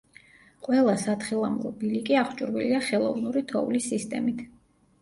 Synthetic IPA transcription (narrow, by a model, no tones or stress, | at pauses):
qʼwɛlˠasat̪χilˠamlˠɔ̰bilikʼiaχʰt͡ʃʼuɾviliaχɛlˠɔvnuɾit̪ʰɔulisist̪ʼɛmit̪ʰ